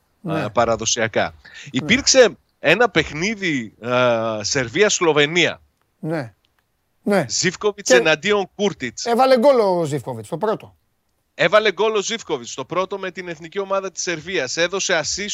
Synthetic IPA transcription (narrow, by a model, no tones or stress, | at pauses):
pɐɾɐðo̞siɐkɐ̰ipiɾkse̞ | e̞nɐpe̞xniði | se̞ɾviɐslo̞ve̞niɐ̰ | ne | nezifko̞vit͡senɐnd̪io̞ŋkuɾt̪it͡sevɐleɡolozifkovit͡st̪opɾot̪o | e̞vɐle̞ɡo̞lo̞zifko̞vit͡st̪o̞pɾo̞t̪o̞me̞t̪ine̞θnicio̞mɐðɐt̪i̥se̞ɾviɐse̞ðo̞se̞ɐsi